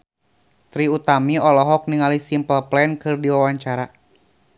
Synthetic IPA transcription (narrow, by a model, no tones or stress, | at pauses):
t̪ɾiut̪amiɔlɔɦɔk̚niŋalisimpəlplɛnkɨrdiwawaɲt͡ʃaɾa